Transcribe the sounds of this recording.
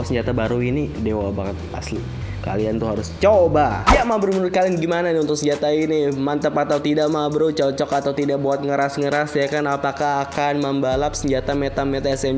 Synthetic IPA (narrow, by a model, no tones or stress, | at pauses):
səɲd͡ʒat̪abaɾuinidewabakət̪̚a̰sli | ka̰liant̪uɦaɾʊst͡ʃobajaʔmabəɾumənʊt̪̚kalinɡimananɛunt̪ʊk̚səɲd͡ʒat̪ainimant̪əpat̪awt̪idaʔmabəɾut͡ʃɔt͡ʃɔkat̪awt̪idaʔ̚buat̪̚ŋəɾasŋəɾasjakanapakaɦakanməmbalap̚səɲd͡ʒat̪amɛt̪amɛt̪aɛsɛm